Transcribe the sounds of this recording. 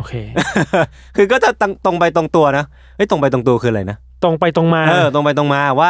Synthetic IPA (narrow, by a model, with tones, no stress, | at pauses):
ʔoː˧˩kʰeː˧ʔ | kʰɯː˧k̬ɔː˥˩t͡ɕa˨˩t̪a˧ŋt̪o˧ŋpa˧jt̪o˧ŋt̪u˧ɐna˦˥ | ʔɤ˦˥˩jt̪o˧ŋp̬a˧jt̪̬o˧ŋt̪u˧ɐ˧kʰɯː˧ʔɾa˧˩jna˦˥ | t̪o˧ŋpa˧jt̪o˧ŋmaː˧ɤː˧t̪o˧ŋpa˧jt̪̬o˧ŋmaː˧˨˩waː˥˩